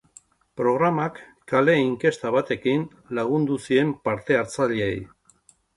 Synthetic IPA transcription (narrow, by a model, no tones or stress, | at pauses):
pɾo̞ɣ̞ɾamakː | ale̞iŋke̞st̪aβat̪e̞kin | laɣ̞und̪usie̞mpaɾt̪e̞aɾt͡saʎiḛj